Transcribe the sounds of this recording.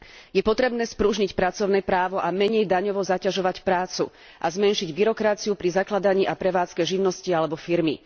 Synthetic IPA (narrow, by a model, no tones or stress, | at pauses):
jɛpɔt̪ɾɛbnɛːspɾuʒɲicpɾat͡sɔʊnɛpɾaːʋɔʔamɛɲɛjd̪aɲɔʋɔzacaʒɔʋacpɾaːt͡sṵ | ʔa̰zmɛnʃiɟbiɾɔkɾat͡siupɾizaklad̪aɲiːʔapɾɛʋaːt͡skɛʒiʊnɔscialɛbɔfiɾmḭ